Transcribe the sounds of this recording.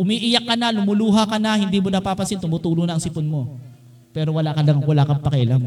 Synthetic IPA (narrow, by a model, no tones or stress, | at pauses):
ʔʊmiʔɪjakːɐnɐlʊmʊluːɦɐkɐnɐhɪnd̪iːmonɐpaːpɐsɪnt̪ʊmut̪uːlʊnɐʔɐŋsɪponmo̞ | pɛːɾowɐlaʔkɐlɐŋwɐlaːkɐmpɐkɐʔɪlaŋ